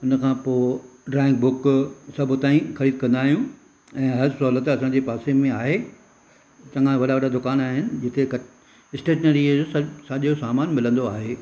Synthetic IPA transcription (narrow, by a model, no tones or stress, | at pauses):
ʊnəkʰãːpoːɖɾɛ̃ːŋkbʊksɐbʱʊ̆t̪aːĩxɐɾiːd̪̚kɐ̃nd̪aːɦijũ | ɛ̃ːɦɐɾsɐːlət̪ɐsãɲd͡ʑeːpaːsemẽaːɦe | t͡ɕɐ̃ŋãʋɐɗaʋɐɗad̪ʊkaːnaːɦɪnɪ̆d͡ʑɪt̪ek | ɪsʈeːʈnəɾiosaʄosaːmaːnmɪlə̃nd̪oaːɦeː